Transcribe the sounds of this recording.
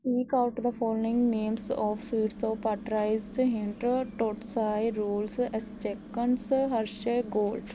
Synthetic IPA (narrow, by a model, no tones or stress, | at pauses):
piːkaʊʈd̪əfɔːloɪ̃ŋɡnẽːmsɔːʋsiːʈsɔːʋpaʈɾaːɪzɦɪ̃ɳʈʈoːʈsaːjɾuːlsɛst͡ʃekːənsɦəɾʃeɡoːlɖ